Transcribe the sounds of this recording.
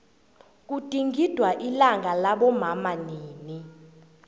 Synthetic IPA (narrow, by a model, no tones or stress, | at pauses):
k̬ud̥ʼʱiŋɡʱid̥ʱwaʔilaŋɡʱalaɓɔmamaniːni